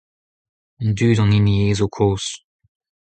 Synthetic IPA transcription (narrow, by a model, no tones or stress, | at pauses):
ndyːdɑ̃ninieːzokʰoːs